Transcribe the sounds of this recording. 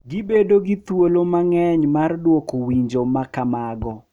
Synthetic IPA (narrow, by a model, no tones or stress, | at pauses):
ɡibedoɡit̪wolomaŋɛɲmardwokowiɲd͡ʒomakamaɡɔ